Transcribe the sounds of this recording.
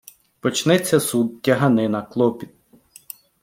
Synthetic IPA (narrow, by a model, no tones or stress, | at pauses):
pɔt͡ʃnɛt͡sʲːɐsud̪̚tʲɐɦɐnɪnɐklˠɔpʲit̪̚